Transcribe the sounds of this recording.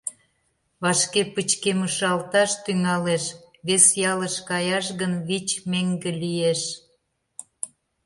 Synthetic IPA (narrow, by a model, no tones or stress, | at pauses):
βɑʃkepət͡ɕkeməʃɑlt̪ɑʃt̪yŋɑleʃ | βesjɑləʃkɑjɑʃ̬ɣənβit͡ɕmeŋɡĕlijeʃ